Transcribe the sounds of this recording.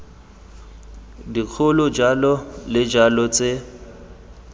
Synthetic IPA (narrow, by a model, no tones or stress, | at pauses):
dik͡xʰʊlʊd͡ʒalɔlɪd͡ʒalɔt͡sʼɪ